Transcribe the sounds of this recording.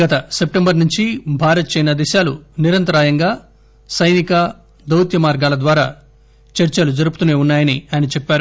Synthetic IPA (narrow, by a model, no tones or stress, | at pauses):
ɡɐt̪ɐsep̚ʈembɐɾnuɲt͡ʃibʱaːɾɐt̪ɐt͡ʃɐjnɐd̪iʃaːluniɾɐnt̪ɐɾaːjɐŋɡaː | sɐjnikɐ | d̪ɐwt̪jɐmaːɾɡaːlɐd̪ʋaːɾaː | t͡ʃɐɾt͡ʃɐlud͡ʒɐɾup̬ut̪une̞ːunːaːjɐniɐɐnit͡ʃɛpːaːɾu